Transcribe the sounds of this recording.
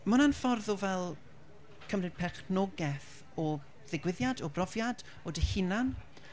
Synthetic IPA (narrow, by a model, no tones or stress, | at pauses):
mənanfɔrðɔvɛlˠ | kʰəmrɨd̥̚pʰɛχnɔɡɛθ | ɔ | ðɪɡwɪðjadɔbrɔvjad | ɔdɪhɪnan